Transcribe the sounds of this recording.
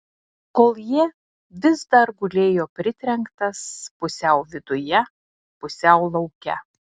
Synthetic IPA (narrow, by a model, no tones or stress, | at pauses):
koːlˠji | ʋʲɪsd̪ɐɾɡʊlʲeːjoːpʲɾʲɪt̪ʲɾʲɛŋkt̪ɐspʊsʲɛʊʋʲɪd̪ʊjɛ | pʊsʲɛʊlˠɐʊkʲɛ̰